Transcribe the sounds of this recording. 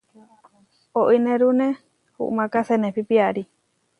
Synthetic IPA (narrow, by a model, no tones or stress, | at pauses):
oʔinẽɾunẽ | hṵʔmãkasenẽpipiaɾi